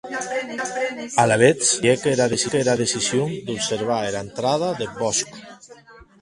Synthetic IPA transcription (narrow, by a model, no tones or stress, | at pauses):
alaβet͡sekeɾaðesieɾaðesisjoŋd̪upseɾβ̞aeɾaent̪ɾað̞aðebɔsk